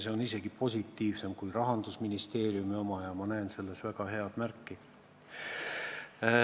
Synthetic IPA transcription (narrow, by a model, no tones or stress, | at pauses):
se̞o̞nise̞ɡ̥ipo̞sʲit̪ːˑiːvse̞mkujrɑɦɑnd̪usminist̪e̞ːɾjumio̞mɑjɑmɑnæense̞lːe̞svæɡ̥ɑɦe̞ɑd̪̥mærkːi